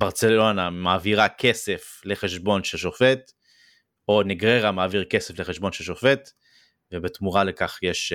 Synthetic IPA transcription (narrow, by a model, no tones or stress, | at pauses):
b̥aʁt͡se̞lo̞namaːviʁakʰe̞se̞f | le̞χe̞ʃbo̞nʃelʃo̞fet̪ | o̞neɡʁeʁamaːviʁkesefle̞χeʃbo̞nʃelʃofe̞t̪ | vebet̪muʁale̞kaχjeʃ